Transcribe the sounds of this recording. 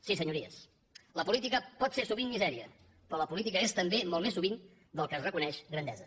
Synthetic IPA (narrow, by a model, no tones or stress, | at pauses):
sisəɲuɾiə̰s | ləpulit̪ikəpɔt̪seɾsuβinmizɛɾiə̰ | pɾɔləpulit̪̬ikəest̪əmbemolˠmesːuβin | d̪əlˠkəːzrəkunɛʃɣɾənd̪ɛzə